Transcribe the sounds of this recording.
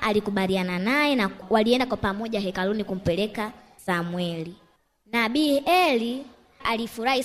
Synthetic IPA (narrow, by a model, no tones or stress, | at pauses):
alikuɓaliananajɛnawaliɛndakwapamɔʄaɦɛkalunikum̩pɛlɛka | samwɛli | naɓiɛli | alifuɾahi